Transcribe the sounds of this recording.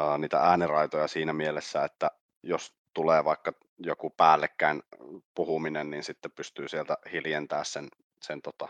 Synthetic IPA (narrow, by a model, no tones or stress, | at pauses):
niːt̪æ̰æːnirɑit̪ojɑsiːnæmielesːæet̪ːæ | jos | t̪uleːʋɑˑekːɑ | jokupæːlːekːæinpuhuminenniːnsit̪ːepyst̪yːsielt̪æhiljent̪æːssen | sent̪ot̪ɑ